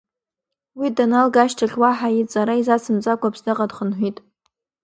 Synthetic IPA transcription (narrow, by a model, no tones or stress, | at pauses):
widanalɡaʃtʰaχʲwaħajitʼt͡sʼaɾaizat͡sʰɨmt͡sʼakʷʰʼapʰsdɨqʼadχənħʷitʼ